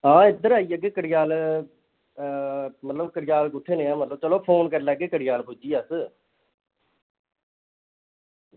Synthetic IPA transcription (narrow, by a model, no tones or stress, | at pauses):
ɦãːɪd̪əɾaːiːəɡeːkəɽɪjaːl | mət̪ləbkəɽɪjaːlkʊʈʰːeːneːãːmət̪ləbt͡ʃəloːpʰoːnkəɾlɛːɡːeːkəɽɪjaːlpʊd͡ʒiːəs